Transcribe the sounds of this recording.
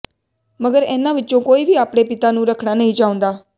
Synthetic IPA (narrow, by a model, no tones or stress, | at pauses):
məɡəɾɛːnãːʋɪtːt͡ʃːõːkoːiːʋiːaːpɽeːpɪt̪aːnũːɾəkʰɽaːnəɦĩːt͡ʃaːʊ̃nd̪aː